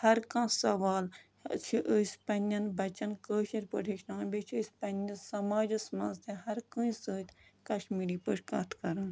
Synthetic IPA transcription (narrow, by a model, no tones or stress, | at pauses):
hɐɾkãːsɐʋaːl | t͡ʃʰiʔəːsʲpɐnjɐnbɐt͡ʃɐnkəːʃɐɾʲpə̰ʈʰeʃnaːbʲet͡ʃʰispɐnjɐsɐmaːd͡ʒɨsmɐ̃nzt̪ʰẽɦɐɾkɨ̃ːĩsəːt̪ʲkɐʃmiːɾiːpəːʃka̰ːt̪ʰkɐɾɐːn